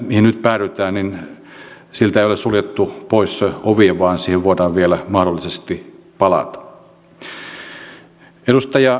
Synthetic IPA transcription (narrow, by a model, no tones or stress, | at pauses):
mihinyt̪pæːryt̪æːnnin | silt̪æeijolessuljet̪ːupoisoʋieʋʋɑːnsiːheʋʋoet̪ɑːʋʋielæmɑhdolːisest̪ipɑlɑ̰t̪ɑ̥ | edust̪ɑjɑ